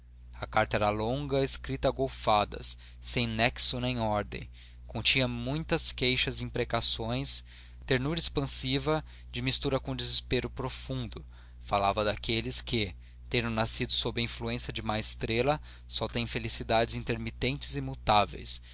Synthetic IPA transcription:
ɐkaɾt̪ɐɛɾɐlõŋɡɐeskɾit̪ɐaɡowfad̪ɐ̰s | sẽj̃nɛksʊnẽj̃ɔɾd̪ḛ̃j̃ | kõt͡ʃĩɐmũj̃t̪ɐskejʃɐzɪĩpɾekasõj̃s | t̪eɾnuɾɐɪspɐ̃sivɐ | d͡ʒɪmist̪uɾɐkõd͡ʒɪzɪspeɾʊpɾofũnd̪ʊ | falavɐd̪akelɪskɪ | t̪ẽnd̪ʊnasid̪ʊsobɾɪɐĩfluẽsjɐd͡ʒɪmajɪst̪ɾelɐ | sɔt̪ẽj̃felisid̪ad͡ʒɪzĩnt̪eɾmit̪ẽnt͡ʃɪ̥zɪmut̪avḛjs

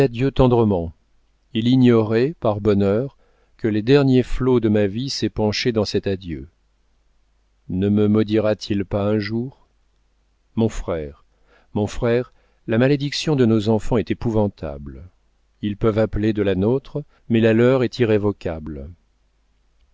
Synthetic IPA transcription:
ad̪jøt̪ɑ̃d̪ʁəmɑ̃ | iliɲɔʁɛpaʁbɔnœʁ | kəled̪ɛʁnjeflod̪əmavisɛpɑ̃ʃed̪ɑ̃sɛt̪ad̪jø | nəməmɔd̪iʁat̪ʰilpaɛ̃ʒuʁ | mɔ̃fχɛːʁ | mɔ̃fχɛʁ | lamaled̪iksjɔ̃d̪ənozɑ̃fɑ̃ɛt̪epuvɑ̃t̪a̰bl | ilpœvapled̪əlanot̪χ | mɛlalœʁɛt̪iʁevɔkʲabl

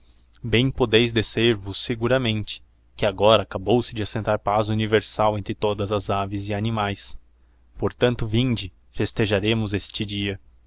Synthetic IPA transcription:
bẽj̃pod̪ejzd̪eseɾvʊsːeɡuɾɐmẽnt͡ʃɪ̥ | kɪaɡɔɾɐːkabowsɪd͡ʒɪasẽnt̪aɾpazuniveɾsawẽnt̪ɾɪt̪od̪ɐzɐzavɪzɪanimajs | poɾt̪ɐ̃nt̪ʊvĩnd͡ʒɪ | fest̪eʒaɾẽmʊzest͡ʃɪd͡ʒiɐ

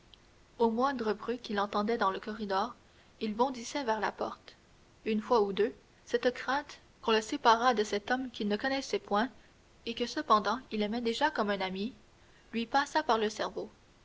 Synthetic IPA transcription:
omwɛ̃d̪ʁəbʁykʲilɑ̃t̪ɑ̃d̪ɛd̪ɑ̃ləkɔʁid̪ɔːʁ | ilbɔ̃d̪isɛvɛʁlapɔʁt̪ | ynfwaud̪ø | sɛt̪kχɛ̃ːt̪ | kɔ̃ləsepaʁad̪əsɛt̪ɔmkʲilnəkɔnɛsɛpwɛ̃ | ekəsəpɑ̃d̪ɑ̃ilɛmɛd̪eʒakɔmɛ̃nami | lɥipasapaʁləsɛʁvo

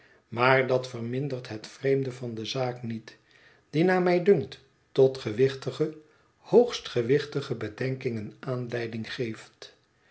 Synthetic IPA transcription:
maːɹdɑtfərmɪndərtɦətfrejmdəvɑndəzaːknit | d̥inaːmɛjdɵŋkt | tɔtχəʋɪχtəχə | howχstχəʋɪχtəχəbədɛŋkɪŋənaːnlɛjdɪŋχejft

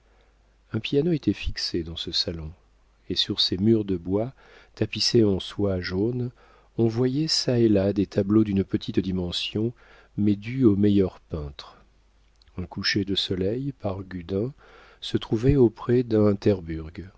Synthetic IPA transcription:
ɛ̃pjanoet̪ɛfiksed̪ɑ̃səsalɔ̃ | esyʁsemyʁd̪əbwa | t̪apiseɑ̃swaʒon | ɔ̃vwajɛsaelad̪et̪ablod̪ynpət̪ʰit̪d̪imɑ̃sjɔ̃ | mɛd̪yomɛjœʁpɛ̃t̪χ | ɛ̃kuʃed̪əsɔlɛjpaʁɡʲyd̪ɛ̃ | sət̪χuvɛopχɛd̪ɛ̃t̪ɛʁbyʁɡ

